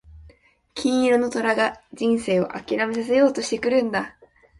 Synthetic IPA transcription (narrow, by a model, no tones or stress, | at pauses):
kʲĩɰ̃iɾo̞no̞t̪o̞ɾaɡad͡ʑĩɰ̃se̞ːo̞̰ʔa̰kʲiɾame̞s̬as̬e̞jo̞ːt̪o̞ɕi̥t̪e̞kɯ̟ɾɯ̟̃nd̪a